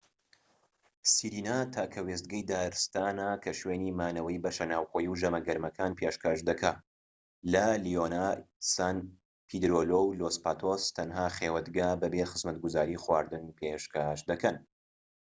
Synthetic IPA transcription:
siɾiːnat̪ʰaːkʰɐwest̪̚ɡɐjd̪aːɾst̪aːnakʰɐʃweːnimaːnɐwɐjbɐʃɐnaːwxoːjiwʒɐmɐɡɐɾmɐkʰaːnpʰeʃkʰaʃd̪ɐkʰaː | lɐlionasaːn | pʰid̪ɾolowlospaːt̪ʰost̪ʰɐnɦaːχewɐd̪ɡaːbɐbexɨzmɐt̪̚ɡuzaːɾiːχwaːɾd̪ɨnpʰeʃkaʃd̪ɐkɐn

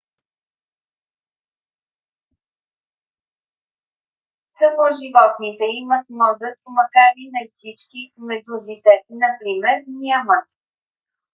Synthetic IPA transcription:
sɐmoʒivɔt̪nit̪ɛimət̪̚mɔzət̪̚pomɐkaɾinɐjfsit͡ʃkimɛd̪uzit̪ɛnɐpɾimɛɾnʲamət̪̚

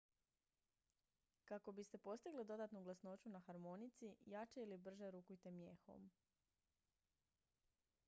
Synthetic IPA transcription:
kako̞bist̪e̞po̞st̪iɡlid̪o̞d̪aːt̪nuɡlˠasno̞t͡ʃunaxaɾmo̞nit̪sijat͡ʃeilibr̩ʒeɾuːkujt̪emjexo̰m

